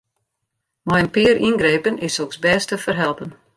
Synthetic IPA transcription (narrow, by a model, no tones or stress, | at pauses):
mɔjənpɪəɾʔinɡreːpənɪsoksbɛːstəfərɦɛlˠpən